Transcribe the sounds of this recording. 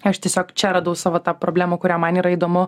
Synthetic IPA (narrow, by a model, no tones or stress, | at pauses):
ɐʃt̪ʲiɛsʲoːkt͡ʃʲɛɾɐd̪ɐʊsɑːʋoːt̪ɑːpɾoːbʲlʲæːmoːkʊɾʲæːmɐniːɾɐiːd̪oːmʊ